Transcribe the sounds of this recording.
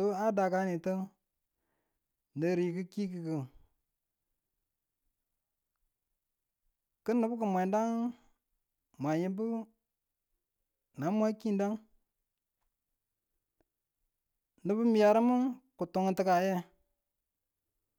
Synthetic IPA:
o˦a˦da˨ka˦ni˨tə˦ | nə˨ɾi˨kɨ˦ki˦ki˨kə˨ | kə˦nːə˨˦bu˦k̬ə˨mʷa˨˦da˦ŋ | mʷa˨ji˦bu˦ | na˨˦mʷa˦ki˦nda˦ŋ | nə˨bu˦mi˨ja˨ɾə˦mu˦ku˨tu˨ŋə˨tə˦ka˨je˦

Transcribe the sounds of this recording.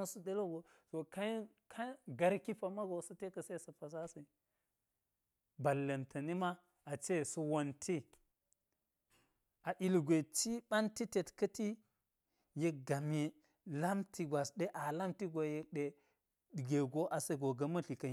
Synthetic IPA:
nsu˦de˦lo˦ɡo˨so˨ka˦j | kʰa˦ɡa˨ɾki˦pa˨ma˦ɡo˨sɐ˦te˦kɐ˨se˦sɐ˨pa˨s̬a˦sɐ˨ | ba˨lːɐ˨ntʰɐ˨ni˦ma˦ | a˨t͡ʃe˦su˨wo˨ntʰi˦ | a˨ʔi˨lɡʷe˨t͡ʃi˦ɓa˦nti˦te˨tkɐ˦ti˦ | je˦k̚ɡa˨mi˦ | la˦mti˨ɡʷa˨sɗe˦ʔa˨la˦mti˦ɡo˨je˦kɗe˨ | ɗɡe˨ɡo˦ʔa˨se˦ɡo˨ɡɐ˨mɐ˦ɬi˨kɐ˨˦

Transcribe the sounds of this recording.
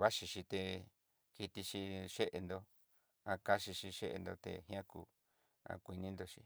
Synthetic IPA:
βa˦ʃi˧ʃi˧t̪e˧ | ki˧t̪i˧ʃi˧ʃe˦ʔe˧nd̪o˧ | a˧ka˦ʃi˧ʃi˧ʃe˦ʔḛ˧nd̪o˧t̪ḛ˧hj̃ã˦kṵ˧˨ | ã̰˧kʷi˧nĩ˦nd̪o˧ʃi˧

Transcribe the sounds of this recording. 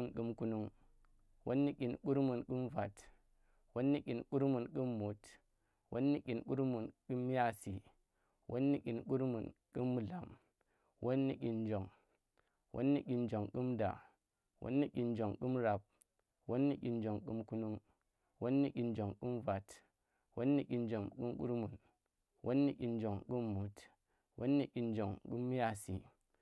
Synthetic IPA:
nku˨˦mku˦nu˦ŋ | wo˦nːi˦kʲi˨nku˦ɾmu˨nki˦mva˨t | wo˦nːi˦kʲi˨nku˦ɾmu˨nki˦mːu˨t | wʔo̰˦nːi˦kʲi˨nku˦ɾmu˨nki˦m˦ja˦si˨ | wʔo̰˦nːi˦kʲi˨nku˦ɾmu˨nku˦mː˦˨ɮa˨m | wʔo˦nːi˦kʲi˨nd͡ʒo˨ŋ | wʔo̰˦nːi˦kʲi˨nd͡ʒo˨ŋki˦mda̰˨ | wʔo̰˦nːi˦kʲi˨nd͡ʒo˨ŋki˦mɾa˨p̚ | wʔo˦nːi˦kʲi˨nd͡ʒo˨ŋkṵ˦mku˦nu˦ŋ | wʔo˦nːi˦i˨nd͡ʒo˨ŋku˦mva˨t | wʔo̰˦nːi˦kʲi˨nd͡ʒo˨mku˦mkṵ˦ɾmu˨n | wʔo˦nːi˦kʲi˨nd͡ʒo˨ŋki˦mːu˨t | wo̰˦nːi˦kʲi˨nd͡ʒo˨ŋku˦mː˦ja˦˨si˨

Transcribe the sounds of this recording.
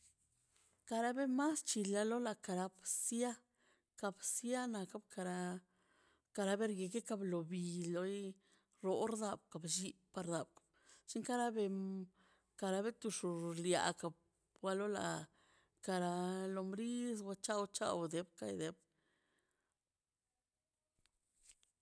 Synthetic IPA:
ka˧ɾa˦be˦ma˦st͡ʃi˨la˧lo˦la˨ka˨ɾa˧˦bsja˦ | ka˧bsja˦na˨ka˦bka˧ɾa˧˦ | ka˧ɾa˧be˦ɾɡe˧ke˦ka˧blo˨bi˨lo˧j | ɾo˨˦ɾd̪a˧˨bka˨bʒi˧pa˧ɾd̪a˨b̚kḁ˨b | t͡ʃi˦ŋka˦ɾa˦be˧ | ka˧ɾa˧be˦t̪u˧ʂu˨lja̰˨ka˨b̚ | wa˦lo˦la̰˨ | ka˧ɾa˧lo˧mɾi˦s̬wʷa˧˦t͡ʃa˦wt͡ʃa̰˦wd̪e˧˦bka̰˦jd̪e˨˦b

